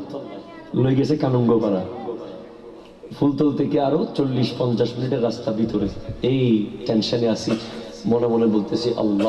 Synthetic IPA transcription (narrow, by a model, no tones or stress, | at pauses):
loeɡɛt͡ɕʰekanoŋɡokaɾa | fʰult̪olt̪ʰekeaɾot͡ɕolːiʃpɔnt͡ɕaʃminiʈeɾːast̪abit̪oɾeejʈenʃaneasimonemonebolt̪et͡ɕʰiʔɐ̰lːa